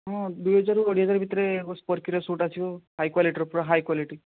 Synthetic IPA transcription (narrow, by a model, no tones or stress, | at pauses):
ɦɔ̃d̪ujɦəd͡zaɾuəɽ̤iɦəd͡zaɾbʱit̪ɾebspəɾkiɾɔsuʈasioɦajkwaliʈiɾɔpɾɔɦajkwaliʈi